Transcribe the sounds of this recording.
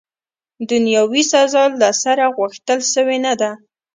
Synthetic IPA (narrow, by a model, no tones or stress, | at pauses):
d̪ʊnjɑwisazɑlːasaɾaɣwaxt̪əlʃəwenad̪a